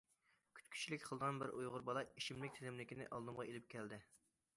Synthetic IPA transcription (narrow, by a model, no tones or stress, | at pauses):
kʲʰy̥t̪kʲʰy̥t͡ʃʰilɪkʲqʰəlˠd̪əʁɑnbɪɾʔṵjʁʊɾbɑlˠɑiʃimlɪk̚ʲt̪ʰelɪmlɪkʲinɪ̰ʔɑlˠd̪ɨmʁɑelɪp̚kʲʰɛld̪ɪ